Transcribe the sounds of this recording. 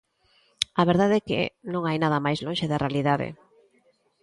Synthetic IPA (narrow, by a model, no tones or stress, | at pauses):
aβeɾðaðɛkḛnõŋajnað̞ɐmajzloŋʃeðarealiðaðḛ